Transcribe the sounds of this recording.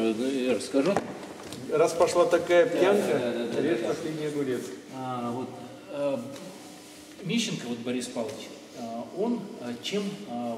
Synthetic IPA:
jaɾəskɐʐu | raspɐʂlˠat̪ɐkajəpjjankəd̪ad̪ɾʲet̪pɐsʲlʲedʲnʲɪjəbʊɾʲet̪vo̞t̪ | mʲeɕːɪnkəvo̞t̪̚bɐɾʲispalˠət͡ɕʲ | o̞nt͡ɕem

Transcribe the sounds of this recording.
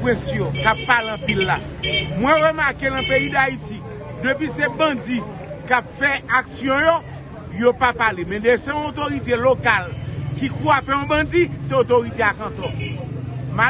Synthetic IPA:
ɛ̃sjõkapːaleɐ̃pilːa | mwɛ̃ɣəmakelɐ̃peid̪aiti | d̪øpɥisebɐ̃d͡zi | kapfɛaksjɔ̃jo | jopapalemɛ̃desɛ̃ɔ̃ot̪oʁit̪̬elokalkikuafɛɔ̃bʌ̃d͡ziseotoʁit̪eakɐ̃t̪ɔ | ma

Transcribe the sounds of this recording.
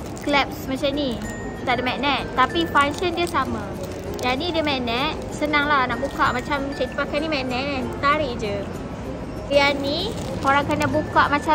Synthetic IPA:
klɛp̚smat͡ʃani | t̪aʔdəmɛʔnɛ̃ʔt̪apifaŋʃəndiəsama | janidiəmɛʔnɛ̃ʔ | sənaŋlahnaʔbukaʔmat͡ʃamːat͡ʃait̪upakanimɛʔnɛʔnt̪aɾiʔd͡ʒə | jani | koɾaŋkanabukaʔmat͡ʃa

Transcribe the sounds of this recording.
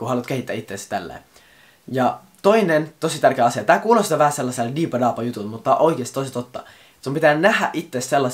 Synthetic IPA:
kuhɑlut̪̚kehit̪ːæ̰ːit̪ːesæ̥t̪ælːḛːˑ | jɑ | t̪oinent̪osit̪ærkeːɑsiɑt̪æːkuːlosit̪æʋæhæselːɑseldiːpɑdɑːpɑjut̪ulmut̪ːɑʔoikeːˑst̪oisit̪ot̪ːɑ | sumpit̪æːnnæhæ̰ʔit̪ːesselːɑ

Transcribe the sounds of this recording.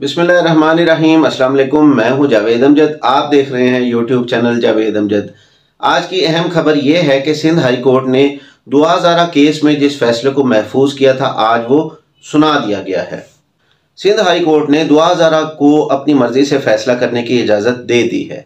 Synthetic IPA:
bɪsmɪlːaːɦɾːɐɦmaːneɾɐɦiːmɐslaːmɐleːkʊmːɛ̃ːɦũd͡ʒaːʋeːd̪əmd͡ʒəd̪aːp̚d̪eːkʰɾɐɦẽɦɛ̃juːʈjuːbt͡ʃɛːnəld͡ʒaːʋeːd̪ɐmd͡ʒəd̪ | aːd͡ʒkiɛɦɛmxɐbəɾjeɦɛkesɪ̃nd̪ɦaːikoːɾʈne | d̪oːaɦzaːɾakeːsmẽd͡ʒɪsfɛːslekomɛɦfuːzkijat̪ʰa̰ʔaːd͡ʒʋo | sʊnad̪ijaɡɐja̰ɦɛ̰ː | sɪ̃nd̪ʱɦaːikoːɾʈned̪oːaɦzaːɾakoɐpnimɐɾzisefɛːslakɐɾnekiɪd͡ʒaːzət̪̚d̪eːd̪ḭɦɛ̰ː

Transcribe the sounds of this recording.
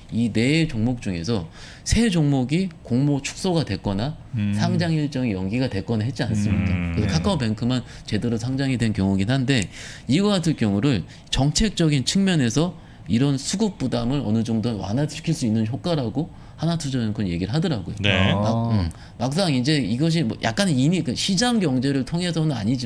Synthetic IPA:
ine̞ːt͡ɕoŋmok̚t͡ɕ͈uŋe̞̰sʰʌ | sʰe̞d͡ʑoŋmoɡikoŋmot͡ɕʰu̥k̚s͈oɡadwe̞k͈ʌnasʰaŋd͡ʑaŋiɭt͡ɕ͈ʌŋijʌŋɡiɡadwe̞k͈ʌnaɦet̚t͡ɕ͈ians͈ɯmɲik͈a̰kɯesʰokʰak͈aope̞ŋkʰɯman | t͡ɕe̞dɯɾosʰaŋd͡ʑaŋidwe̞nkjʌŋoɡinɦande̞iɡʌatʰɯɭk͈jʌŋuɾɯɭ | t͡ɕʌŋt͡ɕʰe̞k̚t͡ɕ͈ʌɡint͡ɕʰɯŋmjʌne̞sʰʌ | iɾʌnsʰuɡuk̚p͈udamɯɾʌ̰nɯd͡ʑʌŋdowa̰natʰɯ̥kʰiɭs͈uinːɯnçjok͈aɾaɡo | hanatʰud͡ʑʌnɯnkʌnje̞ɡiɾɯɭɦadɯɾaɡojoneaɯ | mak̚s͈aŋind͡ʑe̞iɡʌɕ̬ʰimʌjʔa̰k̚k͈animikaɕʰid͡ʑaŋɡjʌŋd͡ʑe̞ɾɯɭtʰoŋɦe̞sʰʌnɯna̰ɲid͡ʑi

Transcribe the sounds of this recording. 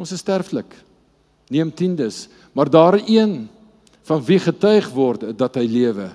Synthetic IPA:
õnsəstærflək | niəmtindəs | mɑrdɑːɾiən | fɐnviχətœɥχvɔrtdɐtɦəjliəvə

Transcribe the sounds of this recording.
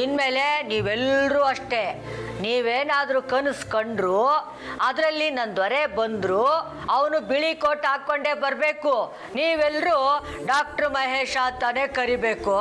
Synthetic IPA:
inmeːle̞niːʋɛlɾuːɐʂʈe̞ | niːʋeːnaːd̪ɾuːkɐnuskoɳɖɾuː | ɐd̪ɾɐlːinɐnd̪ʋɐɾebɐnd̪ɾuː | ɐʋɐnubiɭikoːʈaːkoɳɖebɐɾbe̞ːku | niːʋɛlːɾuː | ɖaːk̚ʈɐɾmɐɦeːʂaːt̪ːane̞ːkɐɾibeːku

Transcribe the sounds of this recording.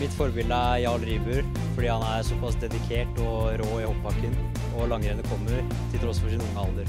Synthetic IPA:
mɪt̪fɔɾbɪld̪əæɾjɑːɭɾiːbʉːɾ | fɔɖiːhɑnæɾsɔpɑsd̪ɛd̪ɪkʰeːʈɔɾoːɪhɔpʰːɑkːən | ɔlɑŋɾenəkʰɔmːəɾ | t̪ʰɪlt̪ʰɾɔsfɔʂɪnʊŋəɑlˠd̪əɾ

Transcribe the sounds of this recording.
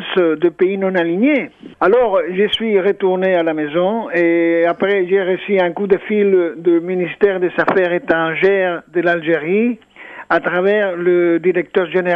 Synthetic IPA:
sd̪əpeinɔ̃naliɲealɔʁʒəsɥiʁət̪uʁnealamezɔ̃eapʁɛʒɛʁəsiɛ̃kud̪əfild̪əminist̪ɛʁd̪ezafɛʁet̪ʁɑ̃ʒɛʁd̪əlalʒeʁi | at̪ʁavɛʁləd̪iʁɛk̚t̪œʁʒene

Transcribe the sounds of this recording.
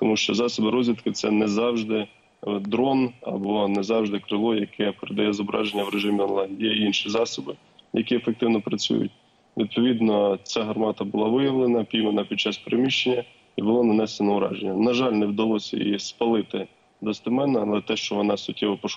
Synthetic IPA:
t̪ɔmuʃt͡ʃɔzɑsɔbɪɾɔzʲʋʲit̪kɪt̪sɛnɛzɑwʒd̪ɪ | d̪ɾɔnɐ̰bɔnɛzɑwʒd̪ɪkɾɪlˠɔjɐkʰɛpeɾɪd̪ɐjɛzɔbɾɑ̰ʒenʲːɐwɾeʒɪmʲiɔnlˠɑndʲijɛinʃizɑsɔbɪ | jɐkʲiefek̚t̪ɪwnɔpɾɐt͡sʲṵjʊ̰t̚ʲ | ʋʲḭd̪̚pɔʋʲid̪nɔt͡sʲaɦɐrmɑt̪ɐbʊlˠɑʋɪjɐʋlˠenɐpʲijmenɐpʲid̪̚t͡ʃɑspeɾemʲiʃt͡ʃenʲːɐ | ibʊlˠɔnɐnɛsenɔʊɾɑ̰ʒenʲːɐnɐʒɑlʲnɛwd̪ɐlˠɔsʲɐ̰jispɐlˠɪt̪ɪ | d̪ɔst̪ɪmɛnɐɐlˠɛt̪ɛʃt͡ʃɔʋɔnɑsʲʊt̚ʲːɛʋɔpɔʃ

